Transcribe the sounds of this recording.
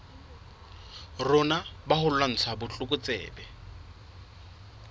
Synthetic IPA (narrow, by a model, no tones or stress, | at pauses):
rʊnabahʊllan̩t͡sʰabʊt͡ɬʼʊkʼʊt͡sʼɛ̰ːbɛ